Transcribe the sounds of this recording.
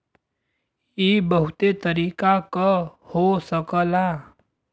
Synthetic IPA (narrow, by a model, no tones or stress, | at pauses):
ibəɦʊt̪et̪əɾiːkakəhosəkəla